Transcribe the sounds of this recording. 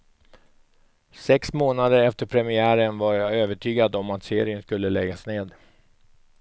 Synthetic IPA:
sɛksmoːnad̪əɾɛft̪əɾpʰɾɛmɪæːɾənvaɾøːvəʈʰyːɡad̪ɔmat̪seːɾɪənskɵlːəlɛɡːasneːd̪

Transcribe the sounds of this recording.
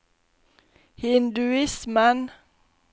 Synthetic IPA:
hɪnd̪ʉɪsmən

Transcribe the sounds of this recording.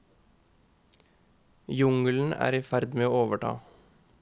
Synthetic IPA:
jʊŋln̩æ̰ːɾiːfæɾd̪meːoːoːʋəʈʰɑ̰ː

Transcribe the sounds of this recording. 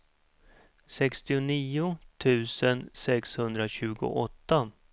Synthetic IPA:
sɛkst̪ɪʊniːʊt̪ʰʉ̟ːsənsɛkshɵnd̪ɾaɕʉ̟ːɡʊ̰ʔɔt̪ːa

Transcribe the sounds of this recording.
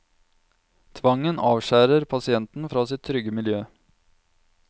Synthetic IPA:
t̪ʰʋɑŋənʔɑːʋʃæːɾəɾpʰɑsɪɛnt̪n̩fɾɑːsɪt̪ʰːɾʏɡəmɪljøː

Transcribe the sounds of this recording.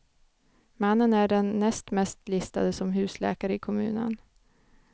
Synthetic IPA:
manːənæɖɛnːɛst̪mɛst̪lɪst̪a̰d̪əsɔmɦʉ̟ːslɛ̰ːkaɾəɪkʰɔmʉ̟̰ːnə̰n

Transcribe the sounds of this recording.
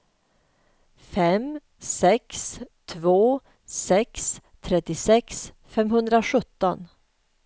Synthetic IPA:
fɛm | sɛkst̪ʰvoː | sɛkst̪ʰɾɛt̪ːɪsɛks | fɛmhɵnd̪ɾaɧɵt̪ːɔn

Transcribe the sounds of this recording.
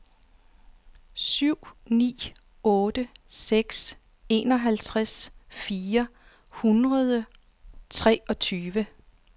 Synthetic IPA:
syʊ̰nḭː | ɔ̽ːd̥əseɡ̥s | e̝̰ːnɒ̽ɦælt͡sʰʁasfiːɐ | hunʁɐð̞ˠə | t͡sʰʁɛ̰ːɒ̽t͡sʰyːʋə

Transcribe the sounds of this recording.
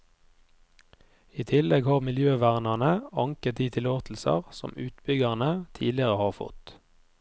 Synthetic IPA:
iːt̪ʰɪlɛɡhɑːʁmɪljøːʋæʁnɑʁnəɑŋkət̪̚d̪iːt̪ʰɪloːt̪ʰl̩sɑ̰ʁsɔ̰mʉːt̪bʏɡɑʁnət̪ʰḭːdlɪəʁəhɑːʁfɔ̰t̪

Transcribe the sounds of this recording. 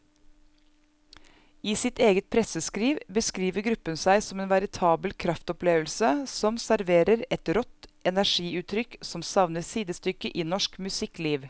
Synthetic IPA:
iːsɪt̪eːɡət̪̚pʰɾɛsəskɾiːʋbəskɾiːʋəɾɡɾʉpənsæɪsɔmeːnʋæɾɪt̪ʰɑːbəlkʰɾɑft̪ɔpleːʋəl̩səsɔmsæɾʋeːɾəɾɛt̪ɾɔt̪ɛnæʃiːʉːt̪ʰɾʏksɔmsɑʋnəsiːd̪əst̪ʏkəʔiːnɔʃkmʉsɪkliːʋ

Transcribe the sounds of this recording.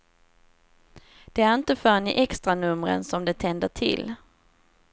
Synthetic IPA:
d̪̥ɛæɾɪnt̪əfœːɾnɪʔɛkst̪ɾanɵmɾə̰nsɔmd̪ɛt̪ʰɛnd̪əʈʰɪ̰l

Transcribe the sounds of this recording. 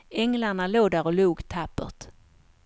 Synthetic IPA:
ɛŋlaɳaloːd̪æɾɔluːɡt̪ʰapːə̰t̪

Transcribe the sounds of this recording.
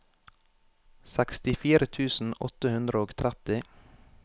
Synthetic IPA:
sækst̪ɪfiːɾət̪ʰʉːsn̩ɔ̰t̪əhʉnd̪ɾəoːɡt̪ʰɾæt̪ɪ

